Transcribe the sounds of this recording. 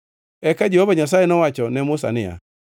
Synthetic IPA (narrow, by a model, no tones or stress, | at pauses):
ɛkad͡ʒɛhovaɲas̬ajɛnɔwat͡ʃɔnɛmʊsa̰nɪja̰